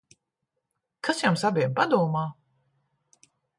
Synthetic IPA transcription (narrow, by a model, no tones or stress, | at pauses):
kʰasjamsabʲiɛmpad̪uːɔmaː